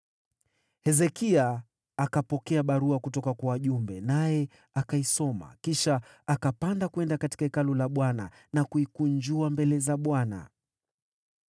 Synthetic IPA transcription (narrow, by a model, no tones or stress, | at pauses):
hɛzɛkiaː | kapɔkɛaɓaɾuakutɔkakwawaʄumbɛnajɛ | akaisɔma̰kiʃa | akapandakuɛndakati̥kaikalulaɓwana̰ | nakuikuɲd͡ʒuambɛlɛzaɓwana̰